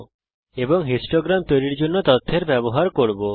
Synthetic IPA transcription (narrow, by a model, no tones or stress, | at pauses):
ebɔŋɦisʈoɡɾamt̪ojɾiɾd͡ʒonːɔt̪ɔt̪ʰːeɾbɛbɔɦaɾkoɽbo